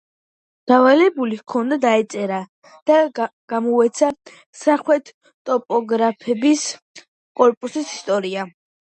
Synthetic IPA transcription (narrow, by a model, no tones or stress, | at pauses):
d̪̥avalɛbulikʰɔnad̪aɛt̪sʼɛɾa | d̪̥aɡ̥amɔɛt̪sʰa | saχwɛt̪ʰ | t̪ʼɔpʼɔɡɾapʰɛbis | kʼɔɾpʼusisi̥st̪ʼɔɾia